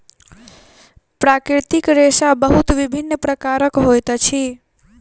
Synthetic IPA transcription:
pɾakɾiɾt̪ikɾesabəɦut̪ʋibʱinːpɾəkaɾəkɦojt̪t͡ʃʰi

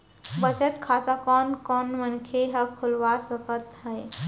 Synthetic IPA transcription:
bət͡ʃət̪kʰat̪akɔnkɔnmənkʰeɦəkʰulʋasəkət̪ɦəj

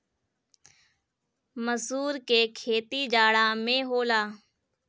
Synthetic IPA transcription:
məsuːɾkekʰeːt̪id͡ʒaːɽãːmẽːɦoːlaː

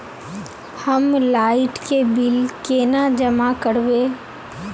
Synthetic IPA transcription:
həmlaːɪʈkebɪlkeːnad͡ʒəmakəɾbeː

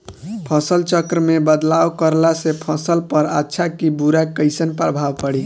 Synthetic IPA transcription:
pʰəsəlt͡ʃəkɾəmebəd̪lawkəɾlasepʰəsəlpəɾatːʃʰakibuɾakəɪsənpɾəbʱaʋpəɽi

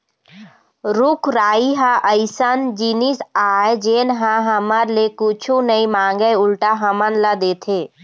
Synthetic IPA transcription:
ɾʊkʰɾaːiɦaʔəɪsənd͡ʒiːnisaːed͡ʒeːnɦãɦəməɾlekʊt͡ʃʰunəimãːŋɡəjʊlʈaɦəmənlad̪eːt̪ʰeː

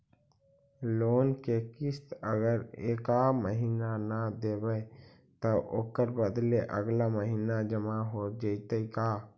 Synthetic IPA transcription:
loːnkekɪst̪əɡəɾḛːkaməɦiːnanad̪eːbə | t̪əʔo̰ːkəɾbəd̪leʔə̰ɡlaməɦiːnad͡ʒəmaɦoːd͡ʒəit̪əikaː

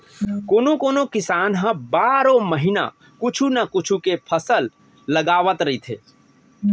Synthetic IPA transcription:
koːnokoːnokɪsaːnɦə̃baːɾõməɦɪna̰ | kʊt͡ʃʰunakʊt͡ʃʰukepʰəsəlː | əɡaːʋət̪ɾəɦit̪ʰḛː

